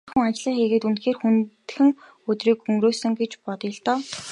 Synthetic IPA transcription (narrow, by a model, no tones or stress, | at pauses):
xŭŋat͡ɕɮiːŋxeɣeːt̪unt̪xeːrxunt̪̆xɘ̆ŋ | ɵt̪riːkɵŋɡɾoːsɵ̆ŋɡet͡ɕpɔt̪jə̆ɬt̪ɔː